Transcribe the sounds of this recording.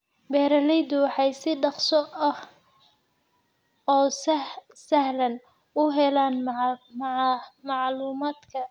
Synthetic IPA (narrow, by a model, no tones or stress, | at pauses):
bɛːɾɐlɛjðʊwɑħɑjsɪɖɑqsɔʔɐh | ɔː | sɐhlɐn | ʊɦɛlaːn | mɑʕluːmaːd̪kʰɐ